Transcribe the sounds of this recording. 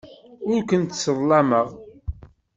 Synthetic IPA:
ʊɾkʷənt̪səðˤlɑməʁ

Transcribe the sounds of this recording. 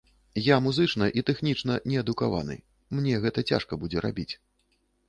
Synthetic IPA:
jamuzɨt͡ʂnɐʔit̪ɛxnʲit͡ʂnɐnʲɛɐd̪ukava̰nɨ̰ | mnʲɛɣɛt̪ɐt͡sʲa̰ʂkɐbud͡zʲɛɾa̰bʲit͡sʲ

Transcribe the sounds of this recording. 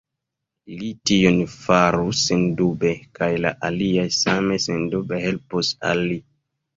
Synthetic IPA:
litionfaɾusendube̞kajla̰ʔaliajsame̞sendube̞he̞lpusa̰lːi

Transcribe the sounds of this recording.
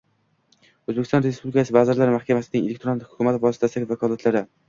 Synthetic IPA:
ɵzbekʰʲɪst̪ɒ̃nɾe̞spublɪkʰasɪvazɪɾlaɾmahkʲamasɪnɪŋelek̚ʲt̪ʰɾonhʊ̥kʰʊmat̪vɒsɪt̪ʰasaɡʲvakʰɒlat̪ʰlaɾɪ

